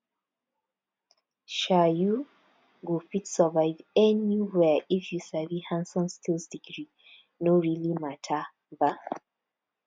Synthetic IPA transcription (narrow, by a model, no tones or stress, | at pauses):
ʃaju | ɡofitsɔvaɪvɛniwɛifjusavihãnsɔ̃nstilsdiɡɹi | noɹilimatʰa | ða